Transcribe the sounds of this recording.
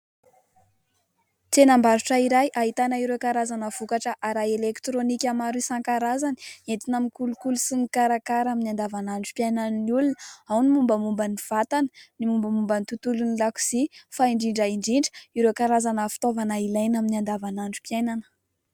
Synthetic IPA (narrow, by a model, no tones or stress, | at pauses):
t̪enambaɾuʈ͡ʂəiɾajʔaɦit̪anaiɾekaɾazanəv̥ukaʈ͡ʂəʔaɾaelekt̪ɾonikʲamaɾusaŋkaɾazani̥ent̪inamikulukulusimikaɾakaɾaminiand̪avanaɳɖ͡ʐu̥pjajnanniulunəawnimumbəmumbəniv̥at̪anə̥nimumbəmumbənit̪ut̪ulunilaku̥sifaiɳɖ͡ʐiɳɖ͡ʐaiɳɖ͡ʐiɳɖ͡ʐə̥iɾekaɾazanəfi̥t̪ovanailajnaminiand̪avanaɳɖ͡ʐu̥pjajnanə̥